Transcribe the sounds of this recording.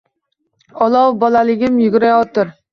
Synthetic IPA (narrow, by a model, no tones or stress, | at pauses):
ɑlˠɑwbɑlˠɑlˠɪɡʲɪmjyɡʲɪɾɛjɑt̪ʊɾ